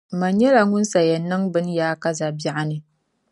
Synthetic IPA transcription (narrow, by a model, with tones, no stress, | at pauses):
mɐ˨ɲ˦jɛ˦ɾa˨ŋʊ˦nsa˨jɛ˨nːɨ˦ŋbɨ˦njaː˦ka˦za˨bɪ˦ʔa˦ne˦